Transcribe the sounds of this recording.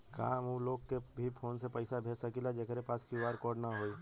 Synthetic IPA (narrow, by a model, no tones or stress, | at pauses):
kaːmũloːɡ̚kebʱipʰoːnsepəɪsabʱeːsakilad͡ʒekɾepaːskiaːɾkɔːɾɖnaɦoːiː